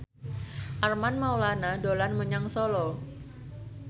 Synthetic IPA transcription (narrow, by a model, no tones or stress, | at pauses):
ʔarmanmawlanadolanməɲaŋsolɔ